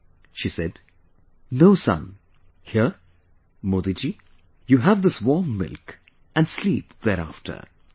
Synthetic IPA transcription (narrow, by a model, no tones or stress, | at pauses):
ʃisɛd | noʊsʌ̰̃n | hiə | mod̪id͡ʒi | juɦævd̪ɪswɔɹmːɪ̰lk | ʔæ̃nsliːpð̥ɛɾæftʰə̰˞